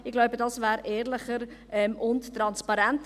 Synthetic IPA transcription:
ɪɡlaʊbədɑsvæːɾʔɛːɾlɪχəɾʔɛmʔʊnttːɾɑnspɑɾɛnt

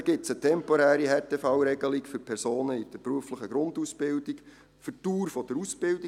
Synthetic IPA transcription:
ɡ̥ɪtsətʰɛmpɔɾæːɾihɛtefɑwɾɛɡəlikfʏɾpʰɛɾsoːnəid̥əɾpɾuəfləχəɡɾʊndusb̥ɪld̥ik | fʏtuːɾfɔd̥əɾusb̥ɪldi

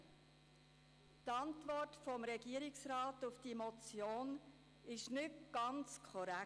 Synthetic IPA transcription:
tɑntvɔrtfɔmɾɛɡiəɾɪksɾɑːtʊfd̥imɔt͡sjoːn | ɪʃnʏtɡ̥ɑnt͡skʰɔɾæ

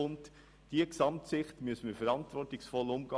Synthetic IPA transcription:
ʊnt | d̥iəksɑmtsɪχtmʏəsən̩məfɛɾɑntvɔɾtɪçsfɔlʊmɡ̥ɑ

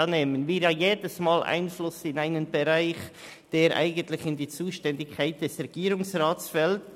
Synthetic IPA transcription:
neːmənviːɾjɑːjeːdəsmaːlʔa̰ɪnflʊsɪnaɪnənbɛɾaɪx | d̥eːɾʔa̰ɪɡən̩tlɪçɪndiːt͡suːʃtɛndɪkʰːaɪt̚d̥ɛsɾɛɡ̥iːɾʊŋsraːtsfɛlt

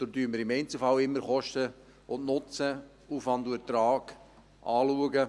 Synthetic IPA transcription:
d̥̪odyːməɾɪmɛɪnt͡səfɑwɪmːəɾχɔʃtə | ʊntnʊt͡sə | uːfɑnd̪uət̪ɾɑːɡ̥ | ʔɑːluəɡə

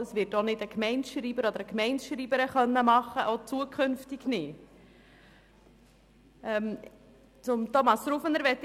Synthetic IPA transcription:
əsʋɪɾtonɪdəkmɛɪnʃɾiːbəɾɔd̪əɾəkmɛɪnʃɾiːbəɾəχœnːəmɑχːəʔot͡suəkʰχʏnftɪɡnɪ | ɛm | t͡sʊmtɔmɑsɾufənəɾʋɛt̪ː

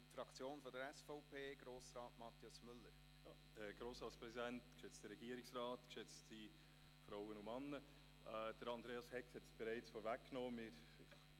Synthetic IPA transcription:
fɾɑkt͡sjoːnfɔdəɾɛsfɔʊpʰeːɡ̥ɾoːsrɑːtmɑt̪jʊsmʏlːəɾ | j | ɡ̥ɾoːsɾɑːtspɾɛzidɛntkʃɪt͡stəɾɛɡiːəɾɪksɾaːtkʃɪt͡sti | fɾaʊənʊmɑnːə | ʔɛd̥əɾɑndɾeːɑshɛkshɛtsb̥ɛɾaɪt͡sfoːɾvækːnoːmɪɾ

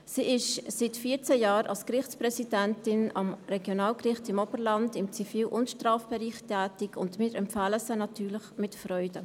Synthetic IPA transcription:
siːʔɪʃsɪtfiːt͡sɛjaːɾʔɑ̰lskrɪχt͡spɾɛsidɛntɪnɑmrɛɡjonaːlkrɪχtɪmɔbəɾlɑndɪmt͡sifiːlʔʊntʃtraːfb̥ɛɾiːχtʰɛːtɪkʰʊndmiːɾʔɛmpfaːləsənɑtyːɾləχmɪtfrɔʏdə

